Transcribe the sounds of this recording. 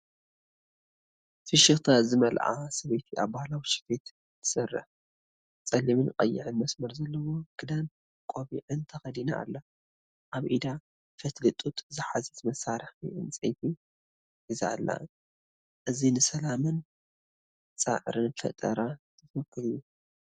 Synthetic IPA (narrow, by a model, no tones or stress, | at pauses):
fɨʃɨxt̪ʰazɨmɐlʕa̰sɐβet̪ʰiʔa̰βbahlawiʃɪ̥fet̪ | t̪ʰɨ̥sɐrːɨ̰ħ | t͡sʼɐlimɨnqʼɐ̰jːɪ̰ʕɨnmɐsmɐɾzɐlːɐwo̞ɡ̥ɨd̪an | kʼoβiʕɨnt̪ʰɐxɐd̪inaʔa̰lːa | ʔaβʔid̪a | fɐt̪ʰlɨt̪ʼut̪ʼzɨħazɐt̪mɐsaɾɨxḭʔɨnt͡sʼɐ̰jfi | ʔiza̰lːa̰ | ʔɨzinɨsɐlamɨn | t͡sʼa̰ʕɨɾɨnfɐ̰t̪ʼɐ̰ɾat̪ʰɨfɐkʰːɨljːu